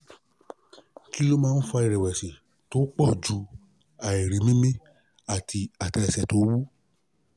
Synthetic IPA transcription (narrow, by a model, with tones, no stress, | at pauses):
ki˦o˦mãː˦˧n̩˦fa˧i˨ɾɛ˨wɛ˨si˨ | to˨˦k͡pɔ˦˨d͡ʒu˨˧˦ | a˨i˨ɾi˨mĩ˦mĩ˦ | a˦˨tʰi˧a˨ta˧ɛ˨sɛ˨to˨˦wu˦